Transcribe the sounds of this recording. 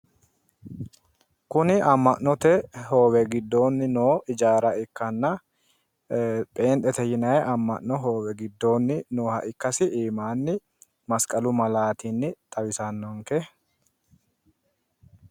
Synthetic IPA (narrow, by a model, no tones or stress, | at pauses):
kʊnɪɐmːɐʔnːɔt̪ɛɦo̞ːwɛɡɪd̪ːoːnːɪnoːɪd͡ʒaːɾɐɪkːɐnːɐ | pʼeːnt̪ʼɛt̪ɛjɪnɐjɛʔɐmːɐ̰ʔnɔɦo̞ːwɛɡɪd̪ːoːnːɪnoːhɐʔɪkːɐsɪʔiːmaːnːɪ | mɐskʼɐlʊmɐlaːt̪inːɪt̪ʼɐwɪsɐnːɔŋkɛ